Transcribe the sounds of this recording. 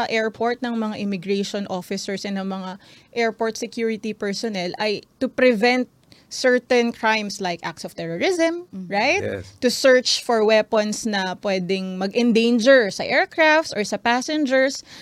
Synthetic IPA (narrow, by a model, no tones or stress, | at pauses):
ɐʔɛɹpʰoɹt̪̚nɐŋmɐŋaʔɪmɪɡɹɛjʃɔnʔofɪsɛɹsɛnɐŋmɐŋa | ʔɛɹpoɹt̪̚sɛkjuɹɪt̪ipɛɹsɔnɛlɐjt̪ʊpɾɛvɛ̃nt̪̚sɛɹt̪ɛ̃nkʰɹajmslajkʔa̰k̚t̪sɔv̥t̪ɛɹɔɹɪzɛmɹajt̪t̪ːʊsɛɹt͡ʃfɔɹwɛpɐnsnɐpwɛːd̪ɛŋmɐɡʔɛ̃nd̪ẽjnd͡ʒɛɹsɐʔɛɹkɹaft̪sʔɔɹsɐpasɛnd͡ʒɛɹs